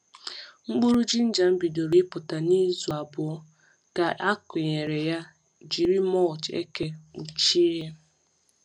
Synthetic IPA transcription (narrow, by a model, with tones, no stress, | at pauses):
ŋ͡m̩˦k͡pu˦ɾu˦d͡ʒi˦n̩˦d͡ʒa˨m̩˦bi˨do˨ɾi˦pʊ˨ta˨ni˦zu˨a˨bʊ˨ɔ˦ | ka˨a˦kʊ˨ɲe˨ɾe˨ja˦ | d͡ʒi˨ɾi˦mɔ˦˨t͡ʃḛ˦ke˦u˨t͡ʃi˦e˦